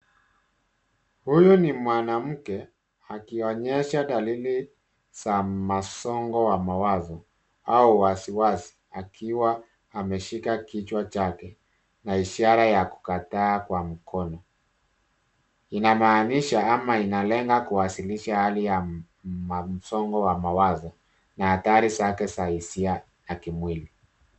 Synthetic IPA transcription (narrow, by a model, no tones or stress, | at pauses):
hujɔnimwanam̩kɛ | akiɔɲɛʃaɗalili | z̥amasɔŋɡɔwamawazɔ | auwasiwasi̥ | akʰiwaː | mɛʃikakit͡ʃwat͡ʃakɛ | naiʃaɾajaku̥kataːkwam̩kʰɔnɔ | inamaːniʃaamainalɛŋɡakuwasiliʃahalija | m̩sɔŋɡɔwamawazɔ | nahataɾisakɛsaisia | nakimwili